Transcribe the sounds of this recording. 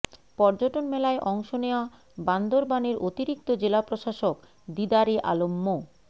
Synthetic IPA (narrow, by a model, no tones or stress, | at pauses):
pɔɾd͡ʑoʈonmɛlaeʔɔŋʃoneoa | band̪oɾbaneɾʔot̪iɾik̚t̪od͡ʑelapɾoʃaʃok | d̪id̪aɾeʔa̰lomːo